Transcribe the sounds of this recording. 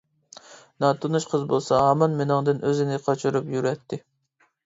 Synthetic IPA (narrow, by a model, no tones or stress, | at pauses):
nɑt̪ʰunuʃqʰəzbolˠsɑɦɑmɑnmenɪŋd̪ɨnøzɪnɪqʰɑt͡ʃʰuɾupjyɾɛt̪ʰːɪ